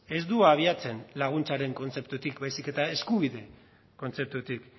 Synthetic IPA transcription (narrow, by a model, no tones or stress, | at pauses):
e̞zd̪uaːβ̞iat͡se̞nlaɣ̞unt͡saɾe̞ŋko̞nt͡se̞pt̪ut̪ikbajsike̞t̪ae̞skuβiðe̞ | ko̞nt͡se̞p̚t̪ut̪ik